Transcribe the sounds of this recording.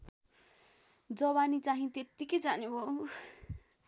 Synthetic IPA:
d͡zʌwanit͡saɦĩt̪et̪ːiked͡zanebo

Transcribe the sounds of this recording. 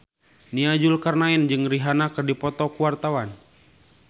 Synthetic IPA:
niad͡ʒʊlkarnaind͡ʒɨŋriɦanakərdipɔt̪ɔkuwart̪awan

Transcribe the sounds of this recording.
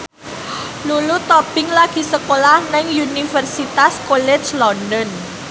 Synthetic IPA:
lulut̪ɔpɪŋlaɡ̥i̤səkolahnɛŋunifərsit̪askolɛ̥d͡ʒlɔndɔn

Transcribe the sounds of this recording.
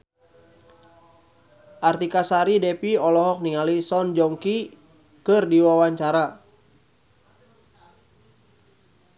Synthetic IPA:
ʔart̪ikasaɾidɛpiɔlɔɦɔk̚niŋalisɔnd͡ʒɔŋki | kɨrdiwawaɲt͡ʃaɾa

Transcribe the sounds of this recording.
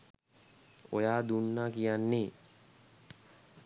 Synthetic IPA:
o̰jaːd̪unːakijanːe

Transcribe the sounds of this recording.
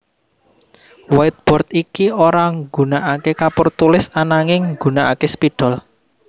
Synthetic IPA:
waɪt̪̚b̥ɔ̤rt̪ikioɾaŋɡunaʔakekapʊrt̪ulɪsanaŋɪŋɡunaʔa̰kespiɖ̥ɔ̤l

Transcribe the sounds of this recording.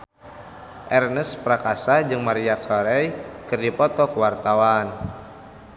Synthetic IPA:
ʔɛrnəspɾakasad͡ʒɨŋmaɾiakʰɔɾɛjkɨrdipɔt̪ɔkəwart̪awan

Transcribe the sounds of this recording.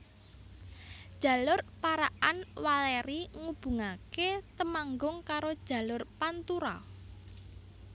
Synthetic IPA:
d̥ʒ̥a̤lʊrpaɾaʔanwaleɾiŋub̥ṳŋaket̪əmaŋɡʊŋkaɾod̥ʒ̥a̤lʊrpant̪uɾɔ̰

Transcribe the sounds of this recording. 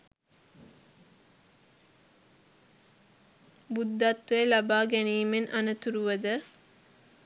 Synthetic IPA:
bud̪ːat̪ːelabaːɡæniːmenʔanət̪uɾuʋəd̪ə

